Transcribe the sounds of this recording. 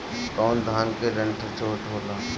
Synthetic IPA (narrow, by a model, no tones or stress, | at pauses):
kɔːnd̪ʱaːŋkeɾəɳʈʰət͡ʃʰoːʈoːlaː